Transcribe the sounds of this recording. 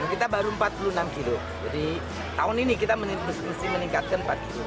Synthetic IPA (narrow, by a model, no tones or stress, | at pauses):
kit̪abaɾuəmpat̪̚pulunamkilo | d͡ʒadi | t̪aʊninikit̪amənməsiməniŋkat̪̚kanmpat̪̚kilu